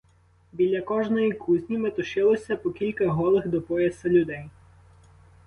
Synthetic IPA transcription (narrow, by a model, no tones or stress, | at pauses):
bʲilʲːɐkɔʒnɔjikʰuzʲnʲimet̪ɔʃɪlˠɔsʲɐpɔkʲilʲkɐɦɔlˠɪxd̪ɔpɔjɛsɐlʲʊd̪ɛj